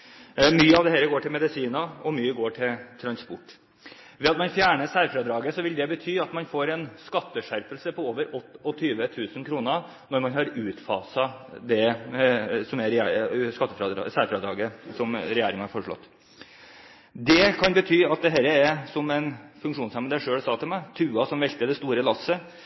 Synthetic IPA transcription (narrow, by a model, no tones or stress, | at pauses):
myːəɑʋd̪ɛhɛlɾəɡoːʈʰɪlmɛd̪ɪsiːnɑɔmyːəɡoːʈʰɪlt̪ʰɾɑnspɔʈː | ʋɛɑt̪mɑnfjæːɳəʂæɾfɾɑd̪ɾɑːɡəsɔʋɪld̪ɛbət̪ʰyːɑt̪mɑnfoːɾɛnskɑt̪ːəʂæɾpəlsəpʰɔoːʋəɾɔt̪ːɔt̪ʰyːʋət̪ʰʉːsənkʰɾuːnə | nɔɾmɑnhɑɾʉːt̪fɑːsɑd̪ɛ | sɔmɛɾskɑt̪ːəfɾɑ̰sæːɾfɾɑd̪ɾɑːɡəsɔmɾɛjeːɾɪŋɑhɑɾfɔʂɭɔ̰t̪ː | d̪ɛkʰɑnbət̪ʰyːɑt̪̚d̪ɛɦɛːɾəɛsɔmɛnfʉŋkʂuːnsæmənd̪æɪʂøːsɑːt̪ʰɪlmɛt̪ʰʉːɑsɔmʋɛlt̪əd̪ɛst̪uːɾəlɑsːə